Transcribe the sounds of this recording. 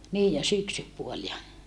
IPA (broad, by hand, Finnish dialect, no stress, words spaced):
niːj jɑ syksypuol jɑ